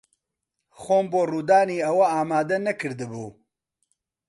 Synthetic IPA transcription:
xoːmboːruːd̪aːniːɐwɐaːmaːd̪ɛnɐkʰɨɾd̪ɨbuː

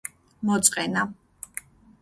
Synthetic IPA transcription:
mɔt̪sʼqʼɛna

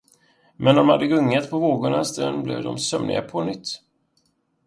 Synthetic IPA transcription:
mɛnd̪ɔmhad̪ːəɡɵŋːət̪pʰɔvoːɡʊɳast̪ɾɛnblɛ̰vd̪ɔmsœmnɪ̰ɡapʰɔnʏt̪ː

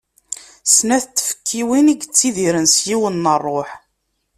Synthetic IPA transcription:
snæθt͡sːfə̥kːiwiniɡt͡sːiðiɾənsjiwənːərˤːoħ

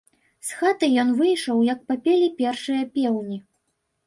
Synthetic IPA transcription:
sxat̪ɨjɔnvɨjʂɔwjɐk̚pɐpʲɛlʲipʲɛrʂɨjɐpʲɛwnʲi

